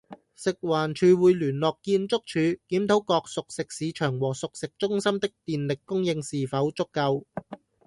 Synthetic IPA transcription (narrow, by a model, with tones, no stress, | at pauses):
sɪ˨k̚waː˨˩nt͡ʃʰyː˨˧wuː˨˧jlyː˨˩nlɔː˨kːiː˧nt͡sʊ˥k̚t͡ʃʰyː˨˧kiː˨˥mt̪ʰo˨˥wkɔː˧k̚sʊ˨k̚sɪ˨k̚siː˨˧t͡ʃʰœː˨˩ŋwɔː˨˩sʊ˨k̚sɪ˨k̚t͡sʊ˥ŋsɐ˥mt̪ɪ˥k̚t̪iː˨nlɪ˨kːʊ˥ŋjɪ˧ŋsiː˨fɐ˨˥wt͡sʊ˥kːɐ˧w